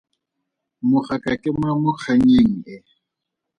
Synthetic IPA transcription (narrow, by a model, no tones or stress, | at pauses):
mʊχakʼakʼɪmwamʊk͡xʰaɲeŋ̩ɛ